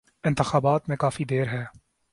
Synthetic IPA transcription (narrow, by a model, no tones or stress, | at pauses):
ɪ̃nt̪ɪxaːbaːt̪mẽkaːfid̪eːɾɦɛː